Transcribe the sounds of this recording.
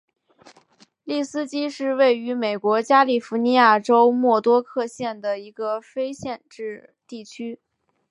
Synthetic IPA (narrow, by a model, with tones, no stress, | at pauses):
li˥˩sɹ̩˥t͡ɕi˥ʂɻ̩˥˧we˥˩ɪy˧˥me˨˩ɪkwɔ˧˥t͡ɕja˥li˨˩fu˧˥ni˧˥ja˥˩ʈ͡ʂo˥ʊmwɔ˥˩t̪wɔ˥kʰɤ˥˧ɕjɛ˥˩nd̪ə˩i˧˥ɡə˧fe˥ɪɕjɛ˥˧nʈ͡ʂɻ̩˥˧ | t̪i˥˩t͡ɕʰy˥